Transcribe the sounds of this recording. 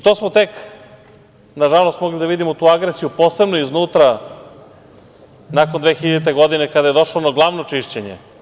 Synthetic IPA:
it̪oːsmot̪e̞k | naʒalo̞st̪mo̞ɡlid̪aʋid̪imot̪uːaɡɾesijupo̞ːse̞bnoiznuːt̪ɾa | nakond̪ʋexiʎat̪̬e̞ɡo̞d̪inekad̪ajed̪o̞ʃlonaɡlˠaʋnot͡ʂiʃt͡ɕeɲḛ

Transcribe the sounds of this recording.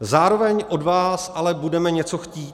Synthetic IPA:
zaːɾo̞vɛɲʔo̞dvaːsʔalɛbudɛmɛɲɛt͡so̞xciːt̪

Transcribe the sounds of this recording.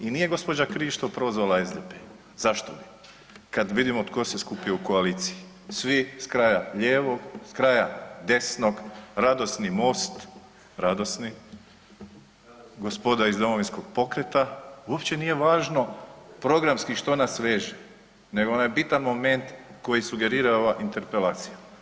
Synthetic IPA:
inije̞ɡo̞spod͡ʒakɾiʃt̪opɾʋozʋolaezd̪epe | zaʃt̪obi | kad̪ʋid̪imot̪koseskupiouko̞aliːt̪siji | sʋiskɾajaʎeːʋo̞ɡskɾajad̪e̞sno̞ɡɾad̪o̞snimo̞ːst̪ | ɾad̪o̞sni | ɡo̞spo̞d̪aizd̪o̞mo̞ʋinsko̞ɡ̥po̞kɾet̪auopt͡ɕe̞nije̞ʋaːʒno̞pɾo̞ɡɾamskiʃt̪o̞nasʋeʒe | neɡoonajebit̪anmo̞me̞nt̪ko̞jisuɡe̞ɾiːɾaoʋaʔint̪e̞ɾpe̞lˠaːt̪sija

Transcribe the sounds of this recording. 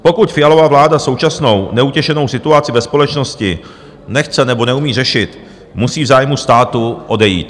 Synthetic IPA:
po̞kucfɪjalo̞vavlaːdaso̞wt͡ʃasno̞wnɛucɛʃɛno̞wsɪt̪uat͡sɪvɛspo̞lɛt͡ʃno̞scɪ | nɛxt͡sɛnɛbo̞nɛumiːr̝ɛʃɪt̪ | musiːvzaːjmust̪aːt̪uʔo̞dɛjḭːt̪

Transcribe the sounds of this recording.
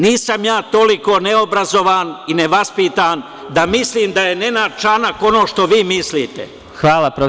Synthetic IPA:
niːsamjaːt̪o̞liko̞neobɾazo̞ʋaːnineʋaspit̪aːn | d̪amisliːmd̪aje̞nenat͡ʃanako̞no̞ːʃt̪o̞ʋiːmisliːt̪ḛ | xʋaːlapɾo

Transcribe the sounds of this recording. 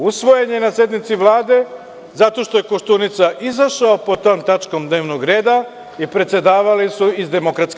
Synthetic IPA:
usʋo̞jeɲenasje̞d̪nit̪siʋlˠaːd̪e̞ | zat̪o̞ʃt̪o̞je̞koʃt̪unit̪saʔizaʃaopo̞t̪o̞ːmt̪at͡ʃko̞md̪ne̞ːʋnoɡɾe̞ːd̪a | ipɾe̞t̪se̞d̪aːʋalisuizd̪e̞mo̞kɾat̪sk

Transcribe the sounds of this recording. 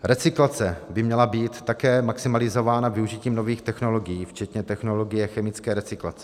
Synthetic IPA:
ɾɛt͡sɪklat͡sɛbɪmɲɛlabiːt̪ːakɛːmaksɪmalɪzo̞vaːnavɪuʒiciːmno̞viːxt̪ɛxno̞lo̞ɡɪjiːft͡ʃɛt̪ɲɛt̪ɛxno̞lo̞ɡɪjɛxɛmɪt͡skɛːɾɛt͡sɪklat͡sɛ̥

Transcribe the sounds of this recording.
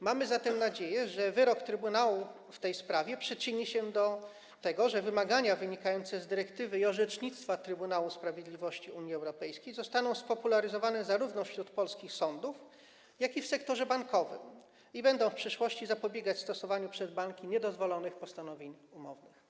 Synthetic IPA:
mamɘzat̪ɛmnad͡ʑejɛʐɛvɘɾɔkt̪ɾɘbunawu | ft̪ɛjspɾavʲjɛpʂɘt͡ʂɘɲiɕɛd̪ɔ | t̪ɛɡɔʐɛvɘmaɡaɲavɘɲikajɔnt̪sɛzd̪ɘɾɛkt̪ɘvɘiɔʐɛt͡ʂɲit̪st̪fat̪ɾɘbunawuspɾavʲjed̪lʲivɔɕt͡ɕiuɲjiɛwɾɔpɛjskʲejzɔst̪anɔ̃w̃spɔpulaɾɘzɔvanɛzaɾuvnɔfɕɾut̪pɔlskʲixsɔnd̪uf | jakʲifsɛkt̪ɔʐɛbaŋkɔvɘ̰m | ibɛnd̪ɔ̃w̃fpʂɘʂwɔɕt͡ɕizapɔbʲjeɡat͡ɕst̪ɔsɔvaɲupʂɛd̪baŋkʲiɲɛd̪ɔzvɔlɔnɘxpɔst̪anɔvʲeɲumɔvnɘx

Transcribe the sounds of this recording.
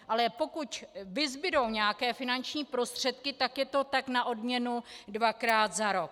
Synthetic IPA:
ʔalɛpo̞kucvɪzbɪɾo̞wɲɛakɛːfɪnant͡ʃɲiːpɾo̞st̪r̝̥ɛt̪kɪt̪akjɛt̪o̞t̪aknaʔo̞dmɲɛnudvakɾaːt̪zaɾo̞k̚

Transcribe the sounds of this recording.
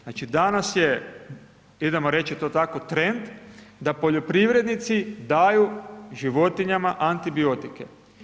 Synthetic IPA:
nat͡ʃid̪anasje | id̪emoɾet͡ʃit̪o̞ːt̪ako̞t̪ɾe̞nd̪d̪apo̞ʎo̞pɾiʋɾed̪nit̪sid̪aːjuʒiʋo̞t̪iɲamaʔant̪ibio̞t̪ike

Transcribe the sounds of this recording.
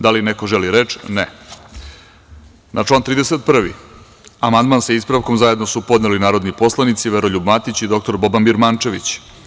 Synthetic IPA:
d̪alinekoʒeliɾe̞t͡ʃne | nat͡ʂlˠaːnt̪ɾiːd̪eset̪̚pr̩ʋḭ | amand̪manseispɾaʋko̞mzaje̞d̪nosupo̞d̪nelinaːɾo̞d̪nipo̞slˠanit̪siʋeɾoʎubmat̪it͡ɕid̪o̞k̚t̪o̞ɾbo̞banbiɾmant͡ʃe̞ʋit͡ɕ

